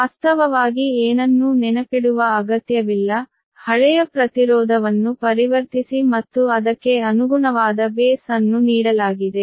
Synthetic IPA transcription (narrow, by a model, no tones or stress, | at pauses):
ɐst̪ʰɐʋɐʋaːɡieːnɐnːunɛnɐpiɽuʋɐːɡɐt̪jɐʋilːɐ | hɐɭɛjɐpɾɐt̪iɾɔːd̪ʱɐʋɐnːupɐɾiʋɐɾt̪isimɐt̪ːuɐd̪ɐkːe̞ɐnuɡuɳɐʋaːd̪ɐbeːsɐnːuniːɽɐlaːɡid̪e̞